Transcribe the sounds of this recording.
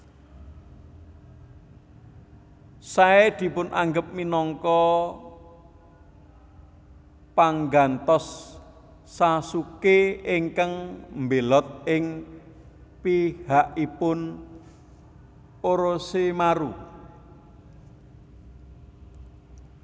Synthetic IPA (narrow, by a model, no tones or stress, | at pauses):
saed̪̥i̤pʊnʔa̰ŋɡəp̚minɔŋkɔ | paŋɡant̪ɔsː | asukeɪŋkaŋmbelɔt̪̚ɪŋ | pihaʔipʊn | oɾosemaɾu